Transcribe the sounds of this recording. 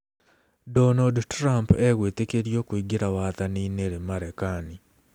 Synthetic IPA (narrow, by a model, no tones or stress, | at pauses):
dɔnaldtɾampeɣwetekeɾjokwiɡiɾawat̪anineɾemaɾekani